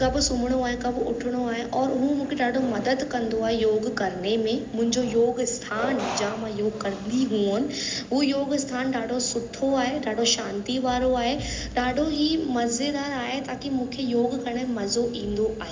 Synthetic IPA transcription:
kɐbsʊ̃mɽ̃oaːɦekɐbʊʈʰɽ̃oaːɦeʔɔːɾʊɦũmũːkʰeɖaːɖomɐd̪əd̪kɐ̃nd̪oaːɦejoːɡkɐɾnemẽmʊ̃ɦɪ̃ɲd͡ʒojoːɡst̪ʰaːnd͡ʒaːmajoːɡkɐɾniɦuːnʋoːjoːɡst̪ʰaːnɖaːɖosʊʈʰːoaːɦeɖaːɖoʃãːnt̪iʋaːɾoaːɦeɖaːɖoɦimɐzed̪aːɾaːet̪aːkimũːkʰejoːɡkɐɾñemẽmɐzoʔĩːnd̪oaːɦe

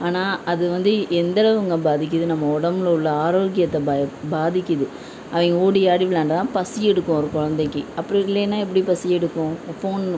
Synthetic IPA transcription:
aːnaːʔɐðɯʋɐnd̪ɯʔɛnd̪ɐɭɐʋɯŋɡɐbaːðɪk̬ʲːɯðɯnɐmːɐɔɽɐmlɐʊɭːɐaːɾoːɡɪjɐt̪ːɐbbaːðɪkʲːɯðɯ | ɐʋɐŋɡɐoːɽiaːɽɪʋɪlaːɳɖɐt̪ãːpɐsɪjɛɽɯkːʊ̃ɔɾɯkɔɻɐnd̪ɛkːɯɐpːɐɽɪlːeːnːãːɛp̬ːɐɽipɐsɪjɛɽɯkːʊ̃foːn

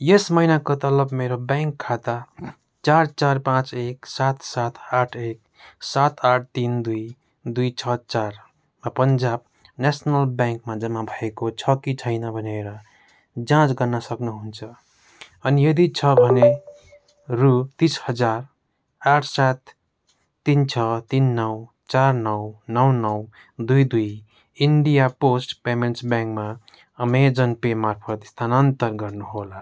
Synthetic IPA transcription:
jesmʌinakot̪ʌlʌbmeɾobjaŋkʰːat̪a | t͡sart͡sarpãt͡seksat̪ʰsat̪ʰaʈʰek̚ | sat̪ʰaʈʰt̪ind̪uj | d̪ujt͡sʰʌt͡ʃaɾ | mapʌnd͡ʒab̚ | nesnʌlbjãŋkmãd͡zʌmːabʱʌekot͡sʰʌkit͡sʰʌjnʌbʱʌneɾʌ | d͡zãt͡sɡʌrnʌsʌknuɦunt͡sʰʌ | ʌnijʌd̪it͡sʰʌbʱʌne | rut̪ishʌd͡zar | aʈʰsat̪ʰː | int͡sʰʌt̪inːʌw | t͡sarnʌwnʌwnʌw | d̪ujd̪uj | iɳɖijaposʈpemensbjãŋkma | ʌmed͡zʌnpemarpʰʌt̪st̪ʰanʌnt̪ʌrɡʌrnuɦola

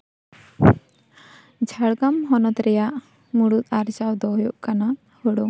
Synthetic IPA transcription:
d͡ʒʱaɽɡamɦɔnɔt̪ɾɛjaʔ | muɽut̪̚aɾd͡ʒawd̪ɔjɔʔkana | hɔɽɔŋ

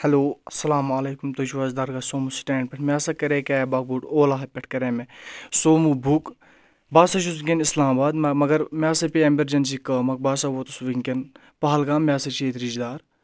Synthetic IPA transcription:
hɐloːɐsɐlaːmaːleːkumt̪ɐt͡ʃʰuʋazd̪aɾɡasoːmusʈeːɳɖ̚pʲɛʈʰmʲaːsɐkɐɾeːkɛːbaːk̚buʈoːlaːɦɐpʲɐʈʰkɐɾeːmesoːmubʱuk | baːsɐt͡ʃ̬ʰusuŋkʲenislaːmbaːd̪mɐmɐɡɐɾmʲaːsɐpʲiemɐɾd͡ʒɐns̬iːkɐːmɐk̚baːsɐʋot̪usuʋiŋken | pɐɦɐlɡaːmʲjaːsɐt͡ʃʰeːt̪ɾid͡ʒd̪aːɾ

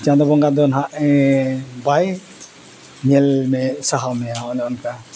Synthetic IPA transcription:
t͡ʃãd̪ɔbɔŋɡad̪ɔnɦaʔɛ | baj | ɲɛlmɛsaɦawmɛanɛɔnka

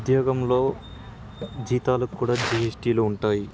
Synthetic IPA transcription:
d̪joːɡɐmlo̞ː | d͡ʒiːt̪aːlɐkukːuːɽaːd͡ʒiesʈiːluuɳʈaːji

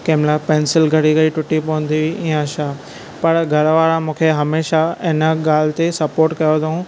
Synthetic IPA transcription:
keːmlapẽːnsɪlɡʱɐɽiɡɐɽiʈʊʈipɐə̃n̆d̪iiĩːə̃ʃaː | pɐɾɡʱɐɾʋaːɾãmũːkʰeɦɐmeːʃaɪnəɠaːl̤ɪt̪esɐpoːɾʈkɐjod̪ɐũ

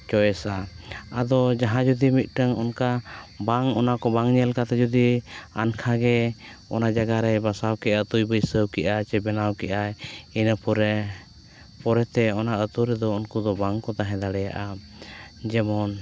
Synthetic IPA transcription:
t͡ʃɔjɛsaad̪ɔd͡ʒaɦãd͡ʒɔd̪imit̪̚ˀʈəŋɔnkabaŋɔnakɔbaŋɲɛlkat̪ɛd͡ʒɔd̪ia̰nkʰaɡɛ | ɔnad͡ʒaɡaɾɛbasawkɛʔat̪ujbəjsəwkɛʔat͡ʃɛbɛnawkɛʔajinəpɔɾɛ | pɔɾɛt̪ɛɔnaʔət̪uɾɛd̪ɔunkud̪ɔbaŋkɔt̪aɦɛ̃d̪aɽɛja̰ʔa | d͡ʒɛmɔn

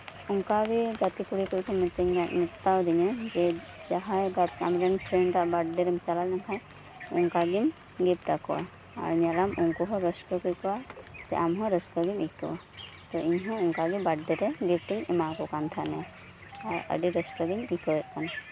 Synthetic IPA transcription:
ɔŋkaɡiɡat̪ikuɽikuɾkʰɔmt̪iɲmit̪ːawd̪iɲɔd͡ʒɛd͡ʒaɦajɡaa̰mɾantʰɾenɾaʔbaɖdɛɾɛmit͡ʃalalnaŋkʰaj | ɔ̰ŋkaɡim | ɡip̚ʈakɔwa̰ | a̰ɾiɲalamuŋkɔɦɔɾɔskɔkuɾkɔwasɛ̰ʔamɦɔ̃ɾɔskɔɡimikɔa̰ | t̪ɔʔiɲɦɔ̃ɔŋkaɡibaɖdɛɾɛɡip̚ʈiŋɛmakɔkant̪ʰanɛ | aɾə̰ɖiɾəsʈɔɡimikɔɛt̪̚ˀkan

